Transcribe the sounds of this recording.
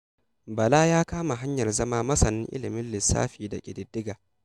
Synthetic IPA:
bɐ˨laː˦jaː˦kaː˦ma˨ɦa˦ɲjɐ˨rzɐ˦maː˦mɐ˦sɐ˨nɪ˦ŋʔɪ̰˦lɪ˨mɪ˦nlɪ˨sːa̰ː˦ɸiː˨da̰˨kʲʼɪ˨dɪ˦dːɪ˦ɡaː˨

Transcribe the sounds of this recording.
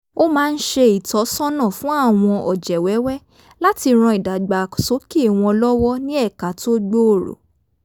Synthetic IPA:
o˦mãː˦˧n̩˦ʃe˧i˨tɔ˨˦sɔ̃˦nã˦˨fũ˦a˦˨w̃ɔ̃˧ʔɔ̰˨d͡ʒɛ˨wɛ˨˦wɛ˦ | la˦ti˧ɾ̃ɔ̃˧i˨da˨ɡ͡ba˨so˨˦ki˦˨w̃ɔ̃˧lɔ˦wɔ˦nĩ˦ɛ˦˨ka˨to˦ɡ͡bo˦o˦˨ɾo̰˨

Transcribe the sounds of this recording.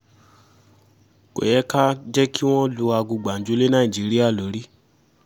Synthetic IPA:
ko̰˨jɛ˦ka˦d͡ʒɛ˦ki˦w̃ɔ̃˦lo˧a˧ɡu˧ɡ͡ba˨n̩˨d͡ʒu˨˦le˦nã˦i˨d͡ʒi˨˦ɾi˦a˦˨lo˨˦ɾi˦

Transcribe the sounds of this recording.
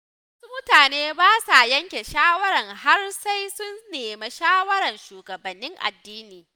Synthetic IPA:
wɐ˦su˦mʊ˦taː˨neː˦baː˦sa˨jɐ˦ŋkʲe˨ʃaː˦wɐ˦ɾɐ˨ŋha˦rsa˦jsʊ˦nːeː˨me˦ʃaː˦wɐ˦ɽɐ˨nʃuː˨ɡɐ˨bɐ˨nːɪ˦ŋʔa̰˨dːiː˦niː˨

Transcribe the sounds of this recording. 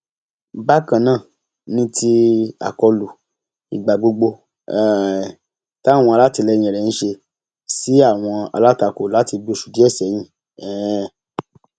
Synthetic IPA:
ba˦kã˨nãː˦˨ | nĩ˧˦ti˧a̰˨kɔ˧lu˨ | i˨ɡ͡ba˨ɡ͡bo˧ɡ͡bo˧ | ɛ˦˨ | ta˦˨w̃ɔ̃˧a˧la˦ti˧lɛ˧jĩ˨ɛ˨ɛ˨ñ̩˦ʃe˧ | si˨˦a˦˨w̃ɔ̃˧a̰˧la˦ta˧ko˨la˨˦ti˧du˧˦ʃu̥˨di˨˦ɛ˦˨sɛ˨˦j̃ĩ˧˨ | ɛ˨˧

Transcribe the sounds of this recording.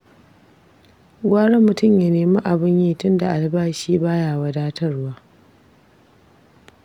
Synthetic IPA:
waː˦ɽɐ˦mːʊ˨tʊ˦mja˨neː˨ma˦ʔa˨bɪ˦ɲjiː˦˨tʊ˦nda˨ʔa˨lbaː˦ʃiː˦baː˦jaː˨wɐ˨daː˦tʰɐ˦rwaː˦

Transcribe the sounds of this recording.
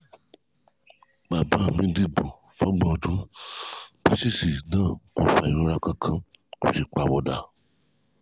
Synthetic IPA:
ɡ͡ba˨bã˨˦˨mĩ˦di˦˨bo˨fɔ˦ɡ͡bɔ̃˨dũ˨˦ | ba˦si˦˨si˨nãː˦˨kɔ˧˨fa˧˨i˨ɾõ˦ɾa˦kã˧kʰã˧ | kõ˨ʃi˨k͡pa˨wɔ˧da˨

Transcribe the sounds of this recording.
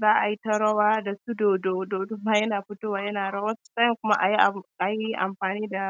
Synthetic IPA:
zaː˦ʔa˨ji˦ta˦ɽɐ˦waː˦da˨su˦doː˨do˨doː˨dʊ˦maː˦jɐ˦naː˨ɸʊ˦toː˦waː˨jɐ˦naː˨ɽɐ˦waː˦sʊ̥˨sa˦jɪ˨kʷʊ˦ma˦ʔa˨ji˦ʔʔa˨ji˦ʔa̰˨mɸaː˨niː˦da˨

